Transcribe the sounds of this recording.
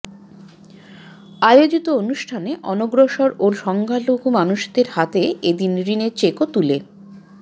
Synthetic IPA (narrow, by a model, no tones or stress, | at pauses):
ajod͡ʑit̪oonuʃʈʰaneʔɔnoɡɾoʃoɾoʃɔŋɡʱaloɡʱumanuʃd̪eɾhat̪eed̪inɾineɾt͡ɕekot̪ule